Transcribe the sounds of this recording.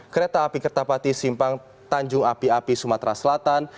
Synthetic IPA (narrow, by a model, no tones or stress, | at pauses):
kəɾet̪aːpikərt̪ahpat̪isimpaŋ | t̪aɲd͡ʒʊŋapiapisumat̪ɾasəlat̪an